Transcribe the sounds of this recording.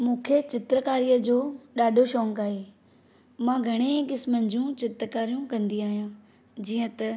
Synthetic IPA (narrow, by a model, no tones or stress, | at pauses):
mũːkʰet͡ɕɪt̪ɾəkaːɾijəd͡ʑoːɗaːɖʱoʃɔ̃ːŋkaːɦe | mãːɡʱɐɽ̃ẽkɪsmənɪ̆d͡ʑũt͡ɕɪt̪ɾəkaːɾijũkɐ̃nd̪iaːɦijũː | d͡ʑiːə̃t̪ɐ